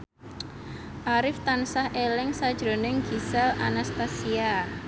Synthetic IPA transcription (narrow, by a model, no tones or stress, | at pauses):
ʔaɾɪft̪ansahʔelɪŋsad̥ʒ̥ɾo̤nɪŋɡ̥isɛlʔa̰nast̪asia